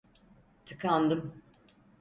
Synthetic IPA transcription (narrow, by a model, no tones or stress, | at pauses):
t̪ʰɯkʰand̪ɯm